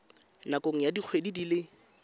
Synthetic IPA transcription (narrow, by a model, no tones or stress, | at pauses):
nakoŋ̩jadik͡xʰwedidilɪ